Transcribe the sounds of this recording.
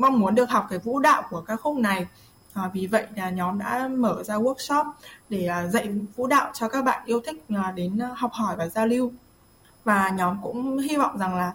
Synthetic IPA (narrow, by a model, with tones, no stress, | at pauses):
ma˧wŋ͡mmu˨˦ənɗɨ˨˩ək̚hɔ˨˩wk͡p̚kːaː˨˦jvṵ˧˥ɗa̰ː˧˨wku˧˩əkaː˦˥k̚xʊ˦˥k͡p̚na˨˩j | ʔːvi˨˩və̰˧˨jlaː˨˩ɲɔ˨˦mɗa̰ː˧˥məː˧˩zaː˧wu˦˥ək̚sɔ˦˥p̚ɗe˧˩˨zə̰˧˨jvṵ˧˥ɗa̰ː˧˨wt͡ɕɔ˧kaː˦˥k̚ɓa̰ː˧˨nʔi˧əwt̪ʰï˦˥k̚ːɗe˨˦n˧hɔ˨˩wk͡p̚hɔ˧˩jvaː˨˩zaː˧li˧w | vaː˨˩ɲɔ˨˦mkʊ̰˧˥ŋ͡mhi˧vɔ̰˧˨wŋ͡mza˨˩ŋlaː˨˩